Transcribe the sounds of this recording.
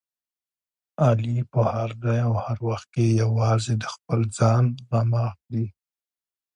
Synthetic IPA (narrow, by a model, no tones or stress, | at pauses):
ɑlipəhaɾd̪ajawhaɾwaxt̪̚kejawɑzed̪əxpəld͡zɑnɣamɑxd̪i